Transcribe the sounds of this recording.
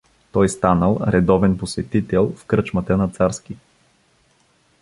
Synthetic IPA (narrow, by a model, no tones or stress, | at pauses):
t̪ɔjst̪anəlˠɾɛd̪ɔvɛnposvɛt̪it̪ɛlˠfkɾɤt͡ʃmət̪ənɐt̪saɾsk̟i